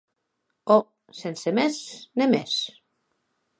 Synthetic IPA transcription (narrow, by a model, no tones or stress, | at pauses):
o | sensemesnemes